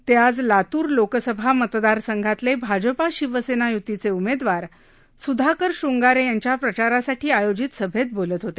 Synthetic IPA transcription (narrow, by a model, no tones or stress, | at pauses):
t̪jad͡zlat̪uːɾlokəsəbʱamət̪d̪aɾsəŋɡʱat̪lebʱad͡ʑəpaɕiʋəsenajut̪ːit͡seumed̪ʋaɾ | sud̪ʱakəɾɕuŋɡaɾejaɲt͡ɕjapɾət͡ɕaɾasaʈʰiːajod͡ʑit̪səbʱet̪̚bolət̪ɦot̪e